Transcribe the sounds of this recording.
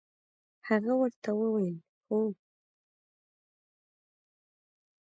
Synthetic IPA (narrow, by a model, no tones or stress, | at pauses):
haɣawəɾt̪awəwajəl | xo